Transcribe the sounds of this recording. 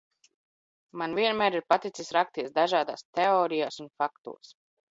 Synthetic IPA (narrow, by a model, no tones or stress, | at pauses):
manvʲiɛnmæːɾiɾpat̪it̪sisɾak̚t̪iɛsd̪aʒaːd̪aːst̪ɛoːɾijaːsunfakt̪ṵɔs